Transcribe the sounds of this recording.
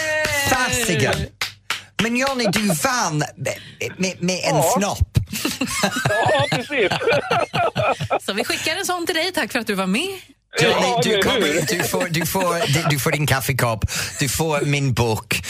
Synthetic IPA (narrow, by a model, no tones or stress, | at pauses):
faːstɪɡə̰ | mɛ̃njɔːnɪd̪ʉvan | mɛmɛʔɛnsnɔp | sis | sɔvɪɧɪkːad̪ɛnsɔnt̪ɪld̪ɛjt̪ʰakːfəɾat̪̚d̪ʉvaɾmɛː | jɔnɪd̪ʉkʰɔməɾd̪ʉfoːd̪ʉfoːɾd̪d̪ʉfoːdɪnkʰafɪkʰɔpd̪̥ʉfoːɾmɪnbuːk